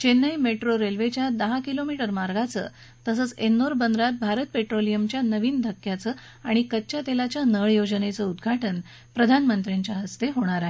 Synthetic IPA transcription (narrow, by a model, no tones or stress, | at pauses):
t͡ɕenːəjmeʈɾoɾelʋet͡ɕjad̪əɦakilomiʈəɾmaɾɡʱat͡sə̰ː | t̪əsəːt͡senːoɾbənd̪ɾat̪̚bʱaɾət̪̚peʈɾolijəmt͡ɕjanəʋiːnd̪ʱəkːjat͡sə | aɽ̃ikət̪ːt͡ɕat̪elat͡ɕjanəɭjod͡ʑənet͡səud̪ɡʱaʈən | pɾəd̪ʱanmənt̪ɾjaɲt͡ɕjaɦəst̪eɦoɽ̃aɾaɦe